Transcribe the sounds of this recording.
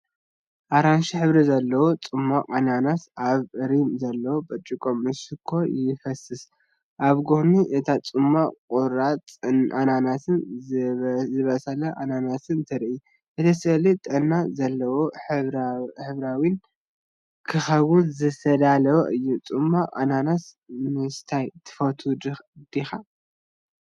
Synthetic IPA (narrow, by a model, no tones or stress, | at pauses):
ʔaɾanʃiħɨβɾizɐlːɐwot͡sʼɨmːaqʼɐnanat̪aβɨɾimzɐlːɐwobɐt͡ʃʼikʼomːɨsɨkʰːo̞jɪfɐsɨs | ʔaβɡohniʔɨt̪ʰat͡sʼɨmakʼuɾat͡sʼɨnʔananat̪ʰɨn | zɨβɐsɐlɐʔananasɨnt̪ʰɐɾʔi | ʔɨt̪ʰɐsɐlit̪ʼɐnːazɐlːɐwo | ħɨβɾawin | kʰɨxɐβunzɨsɐd̪alɐwoʔɨjːut͡sʼɨmːaʔa̰nanas | mɨst̪ʰajt̪ʰɨ̥fɐt̪ʰud̪d̪̥ixa